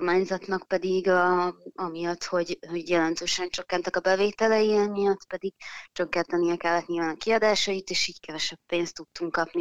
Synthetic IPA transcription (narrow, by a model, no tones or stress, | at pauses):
kormaːɲzɒt̪nɒkpɛd̪iɡ | ɒmijɒt̪ho̞ɟho̞ɟjɛlɛn̪t̪øːʃɛnt͡ʃøkːɛnt̪ɛkɒbɛveːt̪ɛlɛjiɛmijɒt̪pɛd̪iɡ̥̚t͡ʃøkːɛnt̪ɛnijɛkɛlːɛt̪ɲilvaːnɒkiɒd̪aːʃɒjit̪eːʃiːckɛvɛʃɛpːeːnst̪ːut̪ːuŋkːɒpni